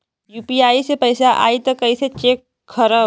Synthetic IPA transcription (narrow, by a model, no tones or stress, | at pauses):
juːpiaːisepɐɪsaʔa̰ːit̪ɐkːɐiset͡ʃeːkʰː | ɐɾə